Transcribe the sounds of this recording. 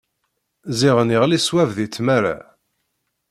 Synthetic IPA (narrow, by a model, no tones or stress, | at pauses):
ziʁəniʁliswævðit͡sːmæɾa̰